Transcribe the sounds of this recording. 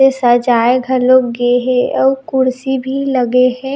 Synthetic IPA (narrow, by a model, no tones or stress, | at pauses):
esəd͡ʒaːeɡʱəɾloːɡɡeɦɛ̃ɔːɾkʊɾsibʱiləɡeɦɛ̃ː